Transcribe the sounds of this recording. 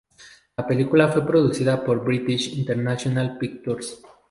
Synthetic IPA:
lape̞likulafwe̞pɾo̞ðusiðapo̞ɾbɾit̪iʃint̪eɾnasjonalpik̚t̪oɾs

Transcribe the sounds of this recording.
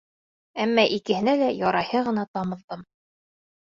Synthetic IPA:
æmːɑʔikɘ̆hɘ̆nælæjɑɾɑjhɤʁɤ̆nɑt̪ɑmɤ̆ðd̪ɤm

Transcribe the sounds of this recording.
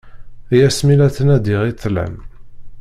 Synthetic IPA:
jæsmilæθənæd̪iʁiθːlæ̰m

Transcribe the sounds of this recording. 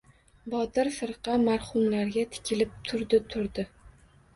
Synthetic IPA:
bɒt̪ɪɾfɨɾqɑmaɾχʊmlaɾɡʲat̪ʰɪ̥kʲɪlɪp̚t̪ʰʊɾd̪ɪt̪ʰʊɾd̪ɪ

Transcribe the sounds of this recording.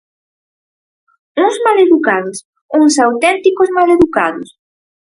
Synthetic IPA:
uŋzmaleðukaðʊs | uŋsawt̪ɛnt̪ikʊzmaleðukaðʊs

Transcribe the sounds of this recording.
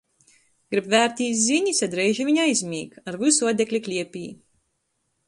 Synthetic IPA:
ɡ̥ɾibvæːɾt̪ʲiːt̪zʲiɲʲisʲad̪ɾɛjʒiviɲajzʲmʲiːkaɾvusuɔd̪ʲɛklʲiklʲiɛpʲḭː

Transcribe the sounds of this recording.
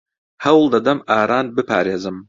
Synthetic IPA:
hɐwlˠd̪ɐd̪ɐmʔaːɾaːnbɨpʰa̰ːɾeːzɨm

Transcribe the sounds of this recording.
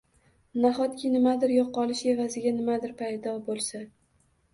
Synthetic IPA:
naχɒt̪kʲʰɪnɪmad̪ɪɾjɒqːɒlˠɪʃe̞vazɪɡʲanɪmad̪ɪɾpʰajd̪ɒbolˠsa

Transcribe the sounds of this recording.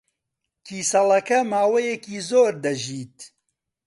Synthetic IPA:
kʰiːsɐlɐkɐmaːwɐjekiːzoːɾd̪ɐʒiːt̪

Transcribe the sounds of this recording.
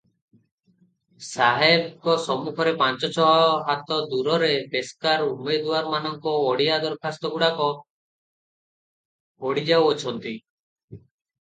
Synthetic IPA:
saɦabkɔsɔmukʰɔɾepant͡ʃɔt͡ʃʰɔɦɔɔɦat̪ɔd̪uɾɔɾepeskaɾumed̪uwaɾmanɔŋkɔːɽiad̪ɔɾkʰast̪ɔɡuɽakɔ | oɽid͡ʒawɔt͡ʃʰɔnt̪i

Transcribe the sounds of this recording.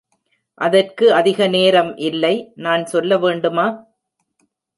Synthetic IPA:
ʔɐðɐrkɯɐðɪɣɐneːɾɐmʔɪlːɐɪnaːnsɔlːɐʋeːɳɖɯmaː

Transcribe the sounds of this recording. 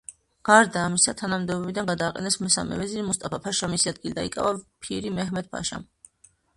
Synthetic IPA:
ɡ̥aɾd̪aːmisat̪ʰanamd̪ɛbɔbid̪anɡad̪aːqʼɛ̰nɛsmɛsa̰mɛ̰vɛziɾimust̪ʼapʰapʰaʃamisiad̪̚ɡilid̪aikʼa̰vapʰiɾimɛhmɛd̪̚pʰa̰ʃa̰m

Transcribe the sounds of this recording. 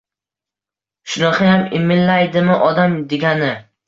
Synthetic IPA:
ʃʊnɑqʰɑjamɪmɪnlajd̪ɪmɪʔɒd̪amd̪eɡʲanɪ

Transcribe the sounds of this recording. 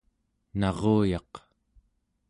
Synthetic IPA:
nɑʁoːjɑq

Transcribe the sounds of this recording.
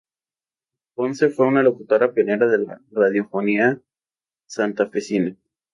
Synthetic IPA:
ponsefwe̞unalo̞kut̪o̞ɾapeneɾaðe̞la̰raðjo̞fo̞nia | sant̪afesina

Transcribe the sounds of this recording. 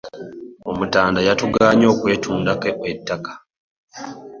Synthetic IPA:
o̞mutaːndajatuɡaːɲo̞ːkwe̞ːtʰuːndakeetːakḁ

